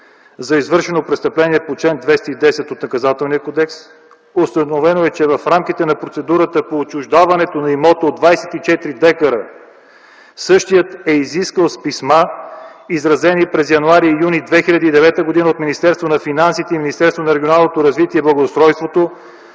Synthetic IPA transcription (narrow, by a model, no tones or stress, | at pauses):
zɐizvɤɾʃɛnopɾɛtst̪əplɛniɛpot͡ʃɛnd̪vɛst̪id̪ɛsɛt̪ot̪nɐkɐzat̪ɛlˠnijəkod̪ɛks | ost̪ənovɛnoɛt͡ʃɛvɐfɾamk̟it̪ɛnɐpɾot̪sɛd̪uɾət̪əpoːt͡ʃʊʒd̪avɐnɛt̪onɐimɔt̪əod̪vajsɛ̥t̪it͡ʃɛt̪ɾid̪ɛkəɾə | sɤʃt̪ijət̪ɛiziskəlˠspisma | izɾɐzɛnipɾɛzjɐnuaɾijunid̪vɛxilʲɐd̪iːd̪ɛvɛt̪əɡod̪inəot̪minist̪ɛɾst̪vonɐfinansit̪ɛiminʲist̪ɛɾst̪vonɐɾɛɡʲionalˠnot̪oɾɐzvit̪iɛblˠəɡost̪ɾɔjst̪vot̪o